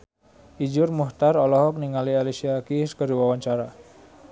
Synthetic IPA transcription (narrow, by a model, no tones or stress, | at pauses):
ʔid͡ʒʊrmuht̪arɔlɔɦɔk̚niŋalialisiakiskəɾiwawaɲt͡ʃaɾa